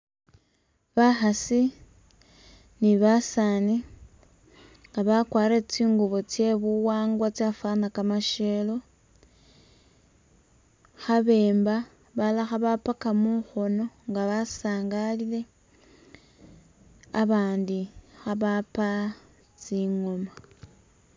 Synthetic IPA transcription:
βaxasi | niβasani | ŋɡaβakwaːɾet͡siːŋɡuβot͡sje̞βuwaːŋɡwat͡safanakamaʃe̞lo̞ | xaβe̞ːmba | βalaxaβapakamuxo̞no̞ŋɡaβasaːŋɡalile̞ | aβaːndixaβapa | t͡siŋo̞ma

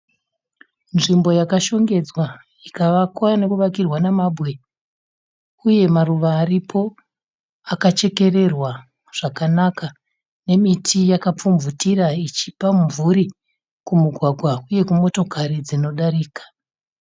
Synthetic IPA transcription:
nʐimbo̞jakaʃo̞ŋɡe̞d͡zwa | ikaʋakwane̞kuʋakirwanamabwe̞ | uje̞maruʋaːripʰo̞ | akat͡ʃe̞ke̞re̞rwa | ʐ̥akanaka | ne̞mitʰijakap͡fuɱvutiɾait͡ʃipamuvuɾi | kumuɡʱwaɡʱwauje̞kumo̞to̞kʰaɾid͡zino̞ɗaɾiːkḁ

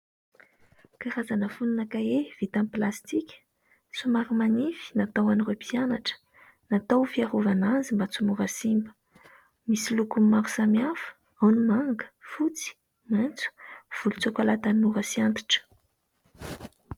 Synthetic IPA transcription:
kaɾazanəfununakaev̥it̪amplast̪ikʲə̥ | t͡sumaɾumanifi̥nat̪awaniɾopʰianaʈ͡ʂə̥ | nat̪awfiaɾuvanazimbat͡sumuɾəsimbə̥ | misilukummːaɾu̥samiafə̥ | awnimaŋɡə̥fut͡si̥ | mant͡su̥v̥ulut͡sokalat̪anuɾəsiant̪i̥ʈ͡ʂə̥

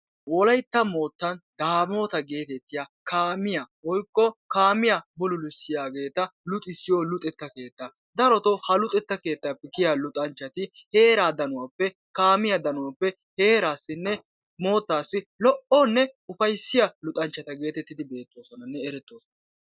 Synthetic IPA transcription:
wɔlɐjt̪ːɐmo̞ːt̪ːɐnd̪̥aːmo̞ːt̪ɐɡe̞ːt̪ɛt̪ːɪjakaːmɪjawɔjkːɔkaːmɪjabʊlʊlʊsːɪjaːɡe̞ːt̪ɐlʊt̪ʼɪsːɪjɔlʊt̪ʼɛt̪ːɐke̞ːt̪ːɐ | d̪ɐɾɔt̪ɔhɐlʊt̪ʼɛt̪ːɐke̞ːt̪ːapːɛkɪjalʊt̪ʼɐnt͡ʃːɐt̪ɪhe̞ːɾaːd̪ɐnʊwapːɛ | kaːmɪjɐd̪ɐnʊwɐpːɛ | he̞ːɾaːsːɪnːɛ | mo̞ːt̪ːaːsːɪlɔʔɔnːɛʊfɐjsːɪjɐlʊt̪ʼɐnt͡ʃːɐt̪ɐɡe̞ːt̪ɛt̪ːɪd̪ɪbe̞ːt̪ːo̞ːsɔnɐnːɛɛɾɛt̪ːoːsɔnɐɐ

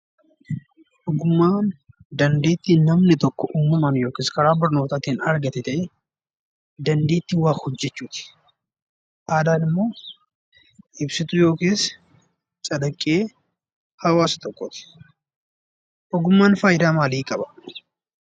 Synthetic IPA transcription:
ʔɔɡʊmːaːn | d̪ɐnd̪e̞ːt̪ːiːnnɐmnɪt̪ɔkːɔʔuːmːɐmɐnjo̞ːkeːskɐɾaːbɐɾno̞ːt̪aːt̪iːnɐɾɡɐt̪ɛt̪ɐʔe | d̪ɐnd̪eːt̪ːɪwaːxhɔd͡ʒːɛt͡ʃːuːt̪ɪ̥ | ʔaːd̪aːnɪmːo̞ː | ʔɪbsɪt̪ʊjo̞ːkeːs | t͡ʃʼɐd̪ɐkʼːeː | hɐwaːsɐ̥t̪ɔkːɔt̪ɪ̥ | ʔɔɡʊmːaːnfaːjd̪aːmaːliːkʼɐbɐ̥

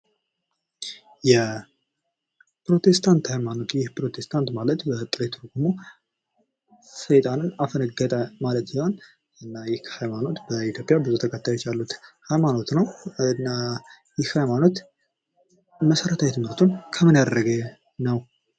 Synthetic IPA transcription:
jɛ | pɾo̞t̪ʰe̞st̪ʰant̪hajmano̞t̪jɪhpɾo̞t̪ʰest̪ʰant̪malət̪bət̪ʼɨɾet̪ʰɨɾɡumo | sɨjt̪ʼanɨnafənəɡət̪ʼəmalət̪sihon | ɨnːajɪhhajmano̞t̪bəit̪jo̞pʼjabɨzut̪ʰəkʼət̪ːajot͡ʃːalːut̪hajmano̞t̪nəwɨnːa | jɪhhajmano̞t̪ | məsəɾət̪ʰajɛt̪məɾt̪ʰunkʰəmɨnjad̪əɾəɡe | nəw

